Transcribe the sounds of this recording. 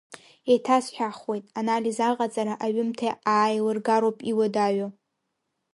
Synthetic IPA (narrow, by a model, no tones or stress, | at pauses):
etʰasħᶣaχwe̞jtʼanalizaqʼat͡sʼaɾaʔaɥɪmtʰaaːjlɨrɡaɾowpʼiwadaɥo